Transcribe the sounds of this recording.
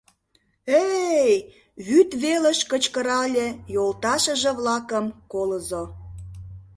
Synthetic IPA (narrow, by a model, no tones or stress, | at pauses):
ej | βyt̪βeləʃkət͡ɕkə̆ɾɑlʲejolt̪ɑʃə̆ʒĕβlɑkəmkoləzo